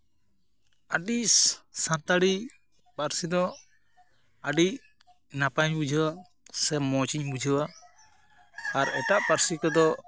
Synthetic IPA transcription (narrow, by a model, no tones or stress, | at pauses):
aɖissant̪aɽi | paɾsid̪ɔ | aɖi | napaɲbud͡ʒʱəwa | sɛmɔt͡ʃiɲbud͡ʒʱəwa | ɾɛʈaʔpaɾsikɔd̪ɔ